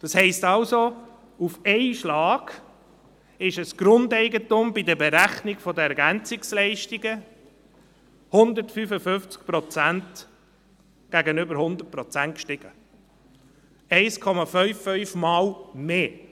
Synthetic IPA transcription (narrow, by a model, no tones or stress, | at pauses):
d̥ɑshɛɪstɑlso | ufɛɪʃlɑːɡ̥ | ɪʃəsɡ̥ɾʊnd̪ɛɪɡət̪ʊmbid̪əbɛɾæχnɪɡfɔd̪əɛɾɡænt͡sɪkslɛɪʃtiɡə | hʊnd̪əɾtfyfəfʏft͡sk̚pɾɔt͡sænt | ɡ̥æɡənʏbəɾhʊnd̪ət̚pɾɔt͡sænt̚kʃtɪɡ̥ə | ɛɪskʰɔmɑfœʏfːœʏfmɑːlmeː